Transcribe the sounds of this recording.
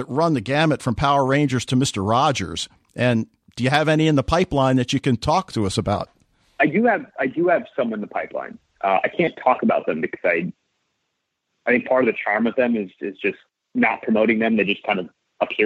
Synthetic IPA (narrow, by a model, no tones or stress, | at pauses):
ɨt̚ɹʌ̃nðɨɡæmɨtfɹʌ̃mpʰaʊə˞ɹẽɪ̃nd͡ʒə˞z̥tʰɨmɪstə˞ɹɑd͡ʒə̰˞z̥ | ʔɨ̃n | d̥ɨjɨːvɛñiɨ̃nðəpʰaɪplãɪ̃nðɨt͡ʃɨkɨ̃ntʰɔk̚tʰɨʌsəbaʊt̚ | aɪdɨɨvaɪdɨɨv̥sʌ̃mə̃nðəpʰaɪplã̰ɪ̃n | ʔʌa̰ɪkʰæ̃ntʰɔkəbaʊt̪̚ðɨ̃mbɨkʰʌ̥zaɪ | aɪθɪ̃ŋk̚pʰɑɹɾʌvðɨt͡ʃʰɑɹmʌvðɨ̃mɪzɪzd͡ʒʌst | nə̰t̚pʰɹ̥əmoʊɾɪ̃ŋðɨ̃mðeɪd͡ʒʌskʰãɪ̃ndʌv | əpʰi